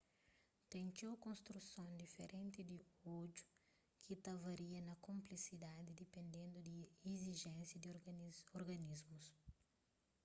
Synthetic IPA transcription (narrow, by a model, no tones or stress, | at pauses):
t̪ɛ̃ŋt͡ʃewkõnst̪ɾusõnd̪ifeɾʔẽnt̪id̪iod͡ʒu̥ | kʰit̪ɐvɐɾiɐnɐkõmplisid̪ad̪id̪ipẽnd̪ẽnd̪ud̪ieziʒɛ̃nsjɐd̪iɾoɾɡɐnizmus